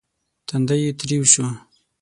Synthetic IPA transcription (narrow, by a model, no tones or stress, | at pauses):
t̪and̪ajit̪ɾiwɕu